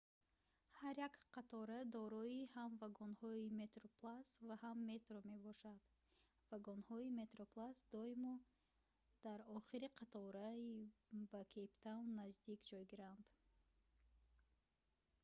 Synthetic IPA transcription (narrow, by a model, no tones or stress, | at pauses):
haɾjakqat̪ʰɔɾad̪ɔɾɔihamvaɡɔnhɔime̞t̪ɾoplˠasvahamːe̞t̪ɾome̞bɔʃad̪̥ | vaɡɔnhɔime̞t̪ɾoplˠasd̪ɔimɔ | d̪̥aɾɔχiɾiqʰat̪ʰɔɾaibakʰept̪ʰawnnːazd̪ikd͡ʒɔjɡiɾand̪̥